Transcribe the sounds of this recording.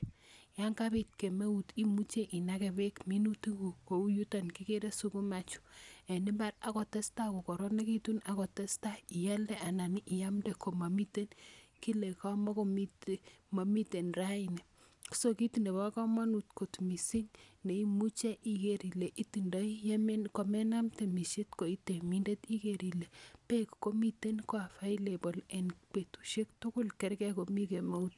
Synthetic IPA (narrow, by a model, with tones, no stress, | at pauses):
ja˦ŋkabi˨t̚ke˨me˦u˨ti˦mu˦t͡ʃe˦ʔi˨na˦ke˨be˦kmi˦nu˦ti˦ɡu˨ko˨u˦ju˦ta˨nki˦ke˦ɾe˦su˦ku˦ma˨t͡ʃu̥ɛ˨ni˦mba˦ɾa˦ko˨te˦sta˦ku˨ko˨ɾo˦ne˦ki˦tuna˨kɔ˨te˦sta˦i˨jɛ˦ldɛ˦ʔa˨na˨ni˦ʔːja˦mde˦kʰo˨ma˨mi˦te˦nki˦le˨ka˦mɔ˦ko˦mi˦tma˨mi˦te˨nra˦i˨ne˨ | soki˦tinde˨βa˦kɔ˦ma˦nutko˨tmi˨si˦ŋne˨i˦mu˦t͡ʃɛ˦ʔi˨keɾi˨le˨ʔiti˨nda˦jjmko˨mɛ˦na˦mte˨mi˨ʃe˦tko˨i˦te˨mi˦nde˦tikeɾi˨le˨pekko˦mi˦te˦nkoa˨fa˦jlebɔ˨lɛ˨nk͡pe˨tu̥˨ʃe˦k̚tʊkʊ˦lkɛ˦ɾkɛ˦ko˨mike˨ma˦ut